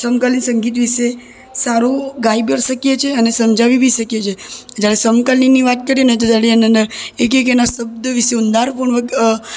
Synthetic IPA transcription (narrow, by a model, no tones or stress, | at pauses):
səmkalinsə̃ŋɡit̪ʋiʃe | saɾoɡaibjəɾʃəkijet͡ʃʰeənesəmd͡ʒaʋibʱiʃəkjet͡ʃʰed͡ʒjaɾesəmkalniniʋat̪̚kəɾienet̪̬ot̪aɽianənd̪əɾek̬ek̬enasəb̚d̪ʋiʃeund̪aɾpəɳʋə